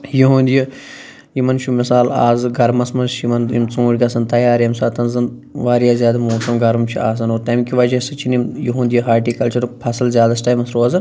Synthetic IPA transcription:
juɦũːnd̪ʲji | jimɐnt͡ʃʰumɪsaːla̰ːzɨɡɐɾmɐsmɐʃimɐnimt͡sũːɽʲkʲɐsɐnt̪ɐjaːɾjɐmsaːt̪ɐnzɐn | ʋaːɾijaːzjaːd̪amoːsɐmɡɐɾumt͡ʃʰia̰ːs̬ɐnoːɾt̪ɐmkiʋɐd͡ʒɐsɐt͡ʃʰinimjuɦũːnd̪ijiɦaːɾʈiːkɐlt͡ʃɐɾpʰɐsɐlzʲjaːd̪ɐsʈaːjimɐsɾoːɐzɨ

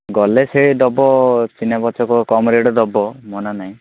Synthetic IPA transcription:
ɡɔleseɭd̪ɔbɔt͡ʃinabɔt͡ʃɔkɔkɔmɾeɽɔd̪ɔbɔmɔnanaɦĩ

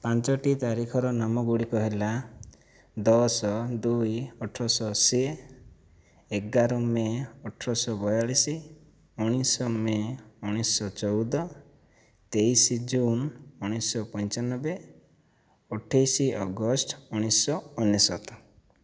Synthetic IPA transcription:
pant͡ʃɔʈit̪aɾikʰɔɾɔnamɔɡuɽikɔɦela | d̪ɔsɔd̪ujɔʈʰɾɔsɔse | ɡaɾɔmeɔʈʰɾɔsɔbɔjalisi | uɽ̃isɔmeuɽ̃isɔt͡ʃɔwd̪ɔ | t̪ejsid͡ʒunuɽ̃isɔpɔ̃ɲt͡ʃanːɔbe | ɔʈʰajsiʔɔɡɔsʈuɽ̃isɔunjesɔt̪ɔ̥

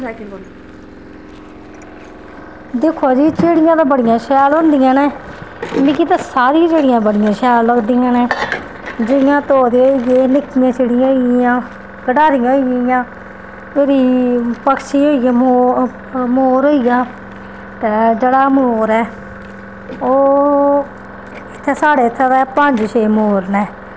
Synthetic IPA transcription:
d̪eːkʰaːd͡ʒiːt͡ʃeːɽɪjãːt̪ãːbəɽɪjãːʃɛːlɦõːnd̪ijãːneːmĩːkiːt̪ãːsaːɾid͡ʒeːɽɪjãːbəɽɪjãːʃɛːləɡd̪iːjãːneː | d͡ʒɪɪjãːt̪oːd̪eːoiɡeːlɪkʰːɪjãːt͡ʃeːɽɪjãːɦoiːãː | kəɖaːɾɪjãːɦoiɡjãː | eːɾiːpəkʰʃiːɦoːiɡaːmoː | moːɾoːijaː | t̪eːd͡ʒeːɽaːmoːɾɛː | oː | ɪt̪ʰːɛːsaːɽeːt̪ʰːɛːt̪ɛːpəɲd͡ʒʃeːmoːɾnɛː

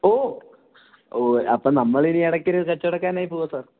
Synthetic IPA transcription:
oː | oːɐpːɐːnɐmːɐɭiniɐɽɐkːiɾɨkɐt͡ɕːoɽɐkːaːnaːjipoːʋɐsaːr

